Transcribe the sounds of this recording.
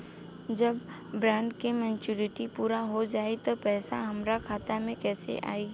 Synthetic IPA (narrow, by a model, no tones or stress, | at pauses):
d͡ʒɐbː | ɾãːɳɖkemɛ̃ːnt͡ʃuɾɪʈipuːɾaɦod͡ʒaːit̪opɛːsa̰ɦɐmɾakʰaːt̪amẽkɛːsḛʔa̰ːi